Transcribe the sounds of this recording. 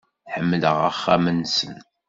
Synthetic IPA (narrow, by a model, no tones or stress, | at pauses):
ħəmːləʁə̰χːæ̰mənsən